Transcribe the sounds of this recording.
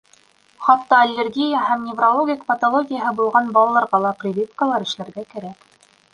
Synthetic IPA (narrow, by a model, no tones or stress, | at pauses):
χɑt̪ːɑɐlʲːerɡʲijəhæmnʲɪvrolˠoɡʲikpɐt̪olˠoɡʲɪjəɦɤbulˠʁɑnbɑlˠɑlˠɑɾʁɑlˠɑprʲɪbʲifkəlˠɑɾɘ̆ʃlæɾɡækæɾæk